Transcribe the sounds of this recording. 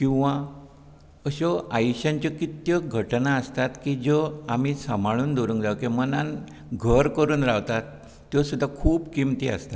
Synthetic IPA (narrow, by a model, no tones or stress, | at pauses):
kĩw̃ʋa | əɕɔajuɕãɲt͡ɕjɔkit̪jəɡʱəʈnaəst̪at̪kiːd͡zɔamisamʱaɭuːnd̪oɾũːŋkd͡zaʋkemənan | ɡʱəɾkəɾuːnɾawt̪at̪ː | jɔsud̪ʱːakʰuːbkimt̪iːə̰st̪at̪